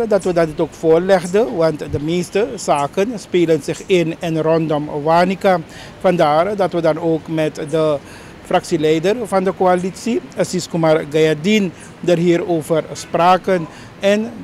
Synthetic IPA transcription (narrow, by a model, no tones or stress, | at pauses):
dɑtʋədɑdɪtoːkfoːrlɛɣdəʋɑntdəmeːstəz̥aːkənspeːlənzɪxɪnɪnrɔndɔmʋaːnika | fɑndaːrdɑtʋədɑnoːkmɛtdə | frɑksilɛjdərvɑndəkoalitsiəsiskumarɡajadin | dərɦiːɾoːvərspraːkən | ɛn